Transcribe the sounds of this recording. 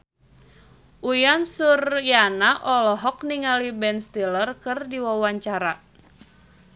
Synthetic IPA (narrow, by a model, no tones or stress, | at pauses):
ʔujansurjanaʔɔlɔɦɔk̚niŋalibɛnst̪ilərkɨrdiwawaɲt͡ʃaɾa